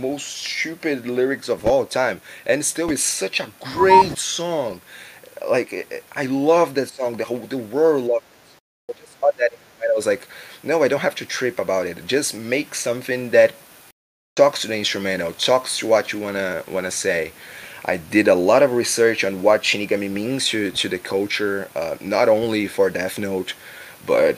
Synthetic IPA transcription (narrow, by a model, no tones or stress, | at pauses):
moʊststʉpɨdˡlɪɹɨksʌvɔlˠtʰãɪ̃mʔɨ̃nstɪlˠɨz̥sʌt͡ʃɨɡɹeɪtsɔ̃ŋ | laɪkʔa̰ɪlʌvðɨtsɔ̃ŋðɨðəwɜ˞dˡlʌvɨtsɔ̃ŋŋd͡ʒʌsɑt̪̚ðɨɾɪ̃ntɹəmɛ̃ntawʌzlaɪknoʊaɪdõʊ̃nthæftɨtʰɹ̥ɪpəbaʊɾɨt̚d̥ʒ̥ʌsmeɪksʌ̃mθɪ̃ŋðɨtʰː | ɔkstʰɨðiɪ̃nstɹ̥ɨmɛ̃ɾ̃oʊtʰɔkstʰɨwʌt͡ʃɨwɑ̃ñɨwɑ̃ñɨseɪʔa̰ɪdɪɾəlɔɾʌvɹisɜ˞t͡ʃn̩wʌt̚ʃɪ̃niɡʌ̃mimĩnz̥tʰɨtʰɨðɨkʰʌlˠt͡ʃə˞ʌ̰nəɾõʊ̃nlifə˞dɛθnoʊt | b̥ʌ̰t̚